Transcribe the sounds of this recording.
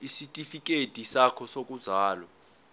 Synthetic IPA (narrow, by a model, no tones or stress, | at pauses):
isitʼifik̬ʼed̥ʱisakʰɔsok̬ʼuz̥ʱaːlɔ